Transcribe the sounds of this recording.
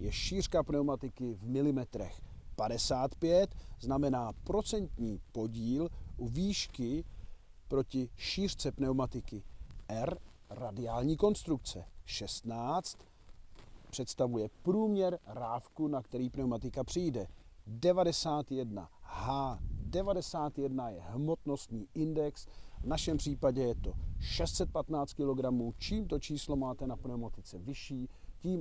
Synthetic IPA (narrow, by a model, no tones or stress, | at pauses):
jɛʃiːr̝̥kapnɛwmat̪ɪkɪvmɪlɪmɛt̪ɾɛ̰xpadɛsaːt̪pjɛt̪znamɛnaːpɾo̞t͡sɛnt̪ɲiːpo̞ɟiːluviːʃkɪ | pɾo̞cɪʃiːr̥t͡sɛpnɛwmat̪ɪkɪʔɛɾradɪaːlɲiːko̞nst̪ɾukt͡sɛʃɛst̪naːt͡st̪ | pr̝̥ɛt̪st̪avujɛpɾuːmɲɛɾɾaːfkunakt̪ɛɾiːpnɛwmat̪ɪkapr̥ɪjdɛ | dɛvadɛsaːt̪jɛdna̰haːdɛvadɛsaːt̪jɛdnajɛɦmo̞t̪no̞st̪ɲiːʔɪndɛksvnaʃɛmpr̝̥iːpaɟɛjɛt̪o̞ʃɛst̪t͡sɛt̪̚pat̪naːt͡st̪kɪlo̞ɡɾamuːt͡ʃiːmt̪o̞t͡ʃiːslomaːt̪ɛnapnɛomat̪ɪt͡sɛvɪʃiːciːm